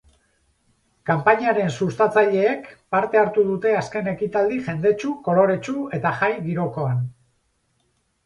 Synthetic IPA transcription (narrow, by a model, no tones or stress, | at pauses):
kampaɲiaɾe̞nsust̪at͡saʎe̞ːkpaɾt̪e̞aɾt̪uðut̪e̞aske̞ne̞kit̪ald̪iʝe̞nd̪e̞t͡ʃuko̞lo̞ɾe̞t͡ʃue̞t̪aʝajɣiɾo̞ko̞an